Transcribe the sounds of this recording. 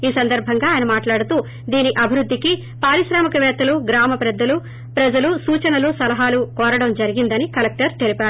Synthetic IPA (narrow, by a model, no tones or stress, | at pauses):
iːsɐnd̪ɐɾbʱɐŋɡaːaːjɐnɐmaːʈlaːɽut̪uː | d̪iːniʔɐbʱiɾud̪ʱːiki | paːɾiʃɾaːmɐkɐʋɛːt̪ɐluɡɾaːmɐpɾɐd̪ːɐlu | pɾɐd͡ʒɐlusuːt͡ʃɐnɐlusɐlɐɦaːlukɔːɾɐɽɐmd͡ʒɐɾiɡind̪ɐnikɐlek̚ʈɐɾt̪elipaːu